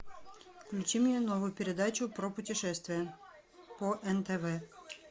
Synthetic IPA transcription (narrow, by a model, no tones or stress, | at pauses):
fklʲʉt͡ɕimnʲenovʊjʊpʲɪɾʲɪd̪at͡ɕʊpɾopʊtʲɪʂɛst̪vʲɪjə | poʔɛnt̪ɛvɛ